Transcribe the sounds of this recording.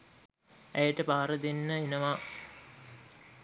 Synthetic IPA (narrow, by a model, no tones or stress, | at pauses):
æjəʈəpaːɾəd̪enːəenəʋa